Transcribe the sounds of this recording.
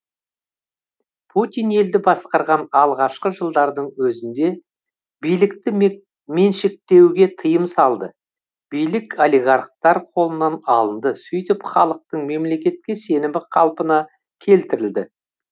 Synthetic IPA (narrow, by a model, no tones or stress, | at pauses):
pʰut̪ijne̞ld̪ɪbɑsqɑɾʁɑnɑlˠʁɑʃqəʒəlˠd̪ɑɾd̪əɴwɵzɪnd̪e̞ | bijlɪkt̪ɪ | me̞nʃek̚t̪e̞wɡʲe̞t̪ʰəjəmsɑlˠd̪ə | b̥ijlɪkoliɡɑɾq̚t̪ɑɾqʰo̞lˠənɑnɑlˠənd̪əsɵjt̪ɪpχɑ̰lˠəq̚t̪əɴme̞mle̞kʲe̞t̪̚kʲe̞se̞nɪmɪqʰɑ̰lˠpənɑ | kʲʰe̞lt̪ɪɾɪld̪ɪ